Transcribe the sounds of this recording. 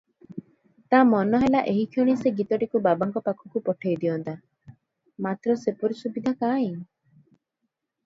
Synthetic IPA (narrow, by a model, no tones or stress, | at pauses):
t̪amɔnɔɦelaʔeɦikʰiɽ̃iseɡit̪ɔʈikubabaŋkɔpakʰɔkupɔʈʰejd̪iɔnt̪a | mat̪ɾɔsepɔɾisubid̪ʱakaj̃